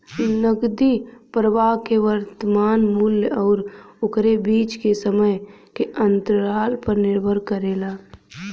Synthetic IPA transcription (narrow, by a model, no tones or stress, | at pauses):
nəɡd̪ipɾəʋaɦkeʋəɾt̪əmaːnmʊljɔːɾʊkɾebiːt͡ʃkesəməj | keʔənt̪ɾaːlpəɾnɪɾbʱəɾkəɾeːlaː